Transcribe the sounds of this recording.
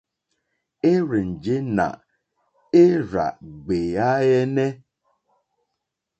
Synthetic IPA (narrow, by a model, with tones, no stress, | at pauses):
e˦ɾɪ˨n̩˨d͡ʒɪ˦na̰˨ | e˦ɾa̰˨ɡ͡be˨ja˦je˦ne˦